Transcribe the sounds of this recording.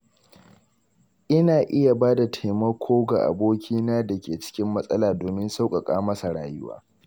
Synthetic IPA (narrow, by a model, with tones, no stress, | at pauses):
ʔɪ˦naː˨ʔɪ˦ja˨baː˦da˨tʰa˨jmɐ˦kʷʰoː˦ɡa̰˨ʔa̰˨boː˦kʲiː˦naː˦da˨kʲeː˨t͡ʃɪ̥˦kʲɪ˦mːɐ˦sʼɐ˦laː˨doː˨mɪ˦nsa˦wkʼɐ˨kʼa̰ː˦mɐ˦sa˨ɽa̰ː˨jʊ˦wa̰ː˦